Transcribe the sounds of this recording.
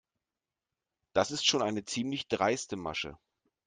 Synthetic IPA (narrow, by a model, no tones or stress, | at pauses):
d̥asɪstʃoːnʔaɪnət͡siːmlɪçd̥ʁaɪstəma̰ʃə̰